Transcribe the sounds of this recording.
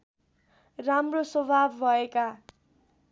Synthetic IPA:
ramrosobʱabːʱʌeka

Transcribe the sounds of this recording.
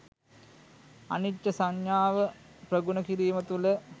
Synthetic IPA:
ɐ̰niʈːɐsɐɲjaːʋəprɐɡunɐkiɾiːmɐt̪ulə

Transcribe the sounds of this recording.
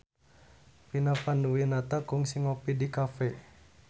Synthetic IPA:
pinafanduwinat̪akuŋsiŋɔpidikafɛ

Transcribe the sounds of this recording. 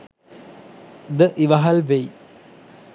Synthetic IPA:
d̪əʔiʋɐɦɐlʋej

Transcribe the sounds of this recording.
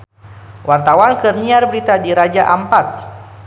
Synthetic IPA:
wʔart̪awankərniarbəɾit̪adiɾad͡ʒaʔampat̪̚

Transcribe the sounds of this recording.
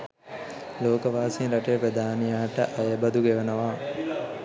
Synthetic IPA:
loːkəʋaːsinɾaʈejəpɾɐd̪aːnijaːʈəʔajəbɐd̪uɡeʋənəʋaː

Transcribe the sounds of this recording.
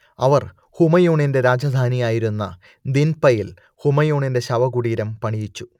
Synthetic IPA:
ɐʋɐr | humɐjoːɳinde̞ɾaːd͡ʑad̪ʱaːnijaːjiɾunːɐ | d̪inpɐjil | humɐjoːɳinde̞ɕɐʋɐɡuɽiːɾɐmpɐɳijit͡ɕːu̥

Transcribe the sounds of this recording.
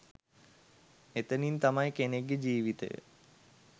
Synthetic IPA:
et̪ənint̪amajkeneɡːed͡ʑiːʋit̪ə̰jə̰

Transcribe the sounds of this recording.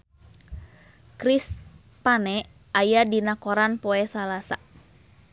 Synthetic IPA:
kɾis | panɛ | ajadinakɔɾanpɔɛsalasa

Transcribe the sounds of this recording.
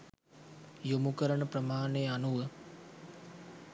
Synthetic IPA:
jumukəɾəɳəpɾəmaːnejanuʋə

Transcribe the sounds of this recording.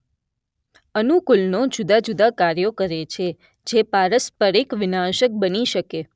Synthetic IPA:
ənukulnod͡ʒud̪ad͡ʒud̪akaɾjokəɾet͡ʃʰe | d͡ʒepaɾəspəɾikʋɪnaʃək̚bəniʃəke

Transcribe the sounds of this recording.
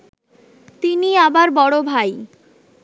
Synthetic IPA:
t̪iniabaɾbɔɽobʱaj

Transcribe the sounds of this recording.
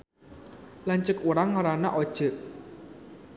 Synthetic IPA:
lant͡ʃəkuɾaŋːaɾanaʔod̥ʒ̥ə̤ʔ

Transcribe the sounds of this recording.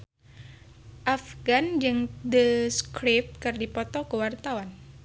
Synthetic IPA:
ʔafɡand͡ʒɨŋd̪əskɾɪp̚t̪̚kərdipɔt̪ɔkəwart̪awan

